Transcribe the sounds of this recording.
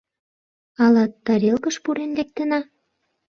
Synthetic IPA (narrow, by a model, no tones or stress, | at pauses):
ɑlɑt̪ːɑɾelkəʃpuɾenlek̚t̪ə̆nɑ